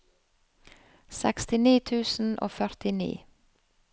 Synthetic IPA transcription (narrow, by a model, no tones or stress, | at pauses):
sɛkst̪ɪniːt̪ʰʉːsn̩ʔo̰ːfœɾt̪ɪnḭː